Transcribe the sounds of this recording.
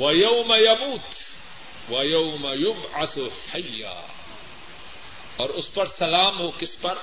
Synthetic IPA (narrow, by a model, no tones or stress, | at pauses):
wɐjɐwmajɐmuːt̪ | wɐjɐʊmajʊbʕasʊħajːa̰ː | ɔːɾʊspɐɾsɐlaːmɦoːkɪspɐɾ